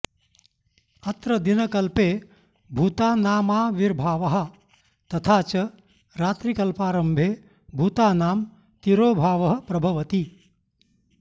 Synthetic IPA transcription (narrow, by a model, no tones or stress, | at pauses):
ɐt̪ɾɐd̪inɐkɐlpeː | bʱuːt̪aːnaːmaːʋiɾbʱaːʋɐɦɐ̆ | t̪ɐt̪ʰaːt͡ʃɐ | ɾaːt̪ɾikɐlpaːɾɐmbʱeː | bʱuːt̪aːnaːm | t̪iɾoːbʱaːʋɐɦɐ̆pɾɐbʱɐʋɐt̪i